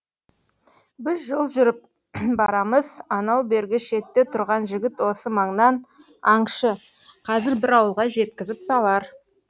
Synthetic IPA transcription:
bɪzʒolˠʒʏɾɪp̚ | bɑɾɑməzɑnɑwbe̞ɾɡʲɪʃe̞t̪ːet̪ʰʊɾʁɑnʒɪɡʲɪt̪wo̞səmɑɴnɑn | ɑɴʃə | qʰɑzɪɾbɪɾɑwəlˠʁɑʒe̞t̪kʲɪzɪpsɑlˠɑɾ

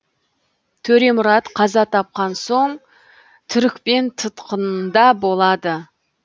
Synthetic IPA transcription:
t̪ʰɵɾe̞mʊɾɑt̪qʰɑzɑt̪ʰɑp̚qɑnso̞ɴ | t̪ʰʏɾɪkʲpe̞nt̪ʰət̪qənnd̪ɑbo̞lˠɑd̪ə

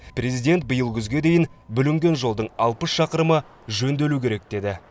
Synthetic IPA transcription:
pre̞zijd̪e̞nt̪̚bəjəlˠʒʲʰʏzɡʲe̞d̪e̞jɪnbʏlɪŋɡʲe̞nʒo̞lˠd̪əɴɑlˠpəsʃɑqəɾəmə | ʒɵnd̪e̞lukʲʰe̞ɾek̚d̪̥e̞d̪ɪ

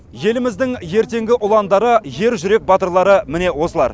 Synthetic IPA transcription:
je̞lɪmɪzd̪ɪŋje̞ɾt̪e̞ŋɡʲɪʔʊlˠɑnd̪ɑɾəʒe̞ɾʒʏɾe̞k̚bɑt̪əɾlˠɑɾəmɪne̞wo̞səlˠɑ̰ɾ

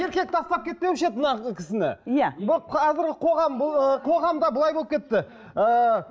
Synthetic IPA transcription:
e̞ɾkʲe̞k̚t̪ʰɑst̪ɑp̚kʲʰe̞t̪̚pewɪʃet̪̚mnɑkʲʰɪsɪnɪ̰jabʰɑzɪɾɡʲɪqʰo̞ʁɑmqʰo̞ʁɑmd̪ɑbʊlˠɑjbolˠəpkʲʰe̞t̪ːɪ | ə

